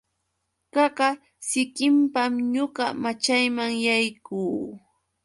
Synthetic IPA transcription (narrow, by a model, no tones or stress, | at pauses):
kɑɢɑ | sɪkɪmpamɲoɢɑmat͡ʃajmaŋjajkuː